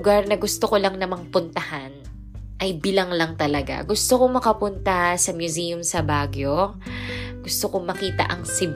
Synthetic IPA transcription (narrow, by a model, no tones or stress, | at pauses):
ɡaɾnɐɡʊst̪okolɐŋnɐmɐŋpʊnt̪ɐhan | ʔɐjbilɐŋlɐŋt̪ɐlɐɡa̰ɡʊst̪okomɐkɐpʊnt̪ɐsɐmjʊzijʊmsɐbaːɡjo | ɡ̥ʊst̪okomɐkiːt̪ɐ̰ʔɐŋsɪb